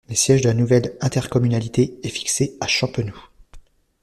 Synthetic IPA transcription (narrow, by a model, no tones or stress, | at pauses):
ləsjɛʒd̪əlanuvɛlɛ̃t̪ɛʁkɔmynalit̪eːfi̥kseaʃɑ̃pønu